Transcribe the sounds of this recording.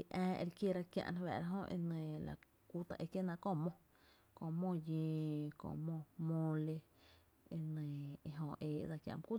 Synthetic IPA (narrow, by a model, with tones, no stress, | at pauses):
i˨ʔɛ̃ː˦˧ʔḛ˧ɾkje˦ɾa˧kjã̰˧ʔn˦wɛ̰ː˨ɾa˧˦ɦõ˦ʔḛ˧nẽ˨la̰˨ | ku˦t̪a˨ʔe˧kje˦˨nã˧kõ˦˨mõ˧ | kõ˧˨mõ˦˨jẽː˧kõ̰˧˨ʔmõ˦˧mõ˧le˧ | e˧nə̃˨e˧ɦõ˧˨ʔeː˨ʔd͡za˧kjã̰˧ʔm˦ku˦